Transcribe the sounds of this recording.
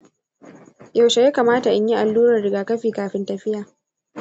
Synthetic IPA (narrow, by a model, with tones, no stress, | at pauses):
ja˦˨wʃa˨jaː˦kaː˨maː˦ta˨ʔa˦ɲji˦ʔa˨lːuː˦ɾɐ˨rɽɪ˨ɡaː˨kɐ˦ɸiː˨kaː˨ɸɪ˦ntɐ˦˨ɸɪ˦jaː˨